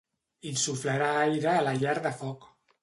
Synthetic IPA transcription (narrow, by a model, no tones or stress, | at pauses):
insufləɾaajɾəːlaʎaɾðəfɔk